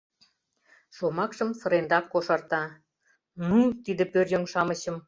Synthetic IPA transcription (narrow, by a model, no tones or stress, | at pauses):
ʃomɑkʃə̆msə̆ɾend̪ɑkːoʃɑrt̪ɑ | nut̪id̪ə̆pørjoŋʃɑməɕə̆m